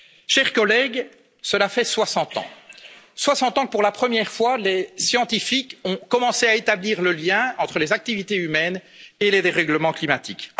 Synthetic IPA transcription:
ʃɛʁkɔlɛɡ | səlafɛswasɑ̃t̪ɑ̰̃swasɑ̃t̪ɑ̃kəpuʁlapχəmjɛʁfwalesjɑ̃t̪ifikɔ̃kɔmɑ̃seaet̪abliːʁləljɛ̃ɑ̃t̪χəlezak̚t̪ivit̪eymɛn | eled̪eʁɛɡləmɑ̃klimat̪ik

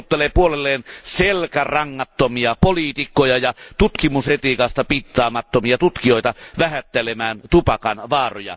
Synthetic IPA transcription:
t̪ːelepuolelːeːnselkærɑŋːɑt̪ːomiɑpoliːt̪ikːˑojɑjɑt̪ut̪kimushet̪ikɑst̪ɑpit̪ːˑɑːmɑt̪ːomiɑt̪ut̪kijoˑit̪ɑʋæhæt̪ːelemæːnt̪upɑkɑnʋɑːrojɑ̰

